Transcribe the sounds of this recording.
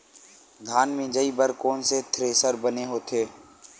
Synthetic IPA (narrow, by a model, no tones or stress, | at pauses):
d̪ʱaːnmẽːd͡ʒəibəɾkoːnset̪ʰɾeːsəɾbəneɦoːt̪ʰeː